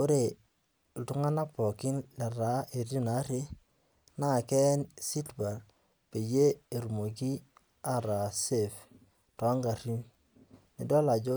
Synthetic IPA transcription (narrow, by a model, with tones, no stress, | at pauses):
ko˦ɾe˨ | ltʊ˦ŋa˦na˦pɔ˨kɪ˦nla˨ɾa˨˦e˨ɾi˦na˨˦ɾe˦ | na˦˨kɛ˦nsi˦tba˨l | pe˨je˦e˨ɾu˨mo˨k̬i˦ | a˨ɾa˨se˦˨f | twa˦ŋɡa˨ɾi˦m | nɪ˨dɔ˦la˨d͡ʒo˦